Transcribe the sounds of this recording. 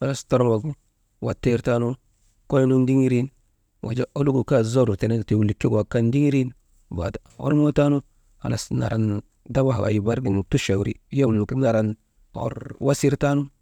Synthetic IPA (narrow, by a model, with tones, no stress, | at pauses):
a˨la˦sto˦ɾo˦lwa˨ɡu˦ | wa˨te˦ɾta˦nu˦ | ko˦jlu˦ndi˦ŋi˦ɾi˦n | wʔa̰˨d͡ʒa˦ʔo˦lu˦ɡu˨ka˦zo˦ɾu˨te˨ne˦˨te˨wu˨li˨kːi˦ɡwa˨ka˦ndi˦ŋi˦ɾi˦n | ba̰˨da˨o̰˦ɾmo˦ta˦nu˦ | a̰˨la̰˨sna̰˨ɾa˨n | da˦wa˦ɦa̰˨a̰˨ji˨ba˦ɾɡi˨n˨tu˦ʃa˨wɾḭ˦ja˦u˨lu˨ki˦na˨ɾa˨n | o̰˨ɾwa˦si˦ɾta˦nu˦